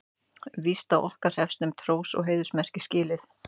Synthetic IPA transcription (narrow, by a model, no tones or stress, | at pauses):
vist̪awʔɔhkaɾ̥hɛfst̪ʏmt̪ʰɾoːwsɔ̰ɣɦeːjðʏsmɛr̥cɪscɪːlɪθ